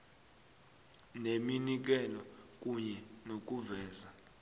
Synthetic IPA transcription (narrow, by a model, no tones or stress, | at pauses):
neminik̬ɛlɔk̬ʼuɲɛnok̬ʼuvɛːza